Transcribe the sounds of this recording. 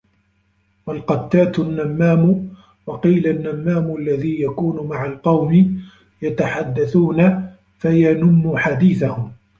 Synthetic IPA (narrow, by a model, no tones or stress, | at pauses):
walqɑt̪ːaːt̪nːamːaːmʊ | wɑqiːlanːamːaːmʊʔalːaðiːjakuːnʊmaʕalqɑwmɪ | jat̪aħad̪ːaθuːna | fajanʊmːʊħad̪iːθahʊm